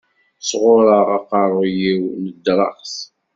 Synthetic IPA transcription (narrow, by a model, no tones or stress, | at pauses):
sʁʊɾˤəʁɑqɑrˤjiwnəd̪ɾˤɑ̰qs